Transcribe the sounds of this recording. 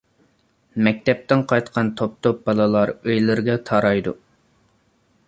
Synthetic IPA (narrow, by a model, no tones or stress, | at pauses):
mɛk̚ʲt̪ɛp̚t̪ɪnqʰɑjt̪qʰɑnt̪ʰop̚t̪op̚b̥ɑlˠɨlˠɑɾøjlɪɾɡʲɛt̪ʰɑɾɑjd̪ṵ